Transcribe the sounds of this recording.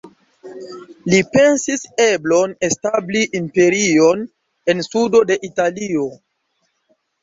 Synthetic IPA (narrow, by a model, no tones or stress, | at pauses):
lipe̞nsise̞blo̞ne̞stabliʔːmpe̞ɾio̞n | e̞nsudo̞de̞ʔitalio̞